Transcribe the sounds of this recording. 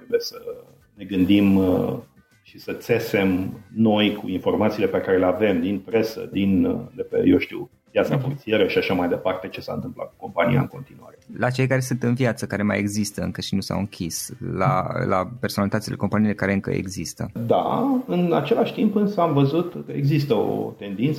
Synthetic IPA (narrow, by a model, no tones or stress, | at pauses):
t̪ɾebujesə | ne̞ɡɨnd̪im | ʃisət̪se̞se̞mno̞jkʰuinfo̞rmat̪siːle̞pe̞kaɾe̞leave̞md̪inpɾe̞sə̰d̪inlepḛjowʃt̪iw | vjat̪safort̪sijeɾəʃiaʃamajd̪e̞part̪e̞t͡ʃe̞sa̰ɨnt̪ɨmpla̰t̪k̚uko̞mpanija̰ɨŋko̞̰nt̪inua̰ɾelat͡ʃe̞jkaɾe̞sunt̪ɨnvjat̪səkaɾe̞ma̰jeɡzist̪əɨŋkəʃinusa̰wɨŋkʲisla̰lʔa̰pe̞rsonalit̪at̪ʲileko̞mpanilekaɾe̞ɨŋkə̰ḛɡzist̪ə̰d̪a̰ɨnat͡ʃe̞laʃʲt̪impɨnsəamvəzut̪eɡzist̪əo̰t̪e̞nd̪int̪s